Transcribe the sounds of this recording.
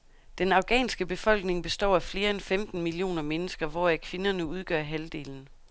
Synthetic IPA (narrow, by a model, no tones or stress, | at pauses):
d̥enɑ̈ʊɡ̥ɛ̰ːnsɡ̥əb̥e̝fɒ̽l̰ɡ̥ne̝ŋb̥e̝sd̥ɒ̰ːæfle̝ːɐenfemd̥n̩milio̝̰ːnɐmenəsɡ̥ɐʋɒækʰʋe̝nɐnəuð̞ˠɡ̥ɶɐ̰ɦæld̥e̝̰ːln̩